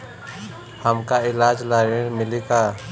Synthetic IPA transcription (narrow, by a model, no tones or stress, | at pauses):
həmkaɪlaːd͡ʒlaːɾeɽ̃mɪlikaː